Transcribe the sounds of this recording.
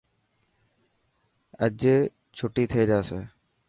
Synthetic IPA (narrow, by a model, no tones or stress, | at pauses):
ɛ̰d͡ʑe | t͡ɕʰoʈit̪ʰeed͡ʑasʰe